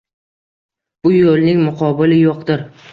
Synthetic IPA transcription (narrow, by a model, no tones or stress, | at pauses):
b̥ʊjolˠnɪŋmʊqʰɒbɪlɪjoqd̪ɪɾ